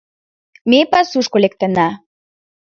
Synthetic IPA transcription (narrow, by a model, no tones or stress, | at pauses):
mepasuʃkolek̚t̪ə̆na